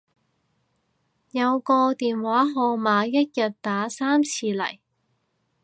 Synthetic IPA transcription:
jɐ˨˧wkɔː˧t̪iː˨nwaː˨˥ɦɔː˧maː˨˧jɐ˥t̚jɐ˨t̚t̪aː˨˥saː˥mt͡sʰiː˧lɐ̰˨˩j

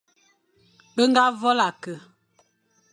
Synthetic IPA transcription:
ɓə˦ŋ˦ɡa˦vɔ˦la˨kə˨

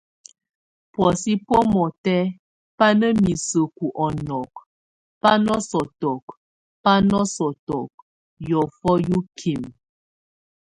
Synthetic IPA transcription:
pwɔ˨si˦pɔ˦mɔ˨tɛ˦ | pa˦nə˦mi˨sə˨ku˨ʔɔ˨nɔ˨k | pa˦nɔ˦sɔ˨tɔ˨k | pa˦nɔ˦sɔ˨tɔ˨k̚ | jɔ˨fɔ˦ju˦kʰi˨m

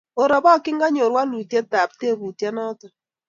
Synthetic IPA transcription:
o˨ɾɔ˨βɔ˦˨kɪ˦ŋɡa˦ɲo˨ɾwa˦lu˨tjɛ˦ta˨p̚te˦˨βu˨tja˦nɔ˦tɔ˨

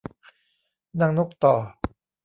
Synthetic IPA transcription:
na˧ŋno˦˥k̚t̪ɔː˨˩

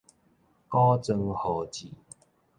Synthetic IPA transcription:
kɔ˦t͡sə˧ŋhɔ˨˩t͡ɕi˨

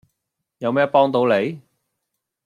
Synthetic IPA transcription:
jɐ˨˧wmɛː˥pɔː˥ŋt̪o˨˧˥wle˨˧j

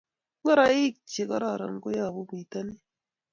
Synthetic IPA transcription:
ŋɡɔ˦ɾa˨i˦k̚t͡ʃe˨kɔ˦ɾa˨ɾa̰˨ŋ˦ko˦ja˦˨bu˦ki˨ta˦ni˦

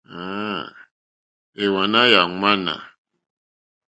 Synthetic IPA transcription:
a˦ | e˨wa˨na˦ja˨ŋʷa˦na̰˨

